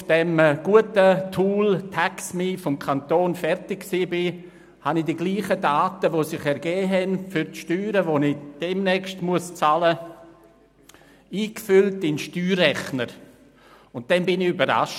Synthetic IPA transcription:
fd̥ɛmɡ̥uətətʰuːltʰaksmifɔmkʰantoːnfɛɾtɪkksiːbɪ | hanɪdiɡliːχədaːtəʋosɪχɛɾɡɛːɦɛnfyɾtʃtyːɾəʋonɪd̥ɛmnɛkstmuəst͡salə | iːkfʏltɪnʃtyːrɛχnəɾ | ʊnt̚d̥ɛnbɪnɪybəɾa̰ʃ

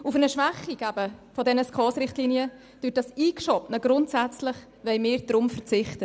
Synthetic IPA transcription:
ufənəʃʋæχiɡæbəfɔdɛnəskʰɑːsɾɪχtliniə | d̥yːt̚dɑsiːkʃɔpnəɡɾʊntsæt͡slɪχ | ʋɛɪmɪːɾd̥ɾʊmfəɾt͡sɪχtə

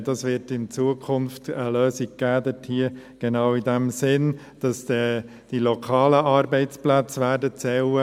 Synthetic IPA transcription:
d̥ɑsʋɪɾtɪnt͡suəkʰʊnftəløːsiɡ̚ɡ̥æːd̪ɛthiə | ɡ̥enɑːʊidæmsɪn | d̥ɑsɛ | d̥ilokʰɑːləʔɑɾbɛɪt͡splæt͡sʋæːɾdət͡sɛwə

